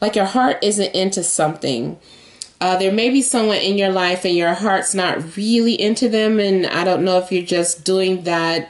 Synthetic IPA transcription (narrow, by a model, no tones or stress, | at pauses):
laɪkjə˞hɑɹɾʔɪzɨ̃ntɪ̃ntʰʉsʌ̃mθɪ̰̃ŋ | ʌðə˞meɪbisʌ̃mwʌ̃nʔɪ̃njə˞laɪfɨ̃njə˞ɦɑɹtsnət̚ɹɪlˠiʔɪ̃ntʰʉðɨ̃mɨ̃na̰ɪɾõʊ̃nːoʊɨfjə˞d͡ʒʌsd̥uɪ̃ŋðæt̚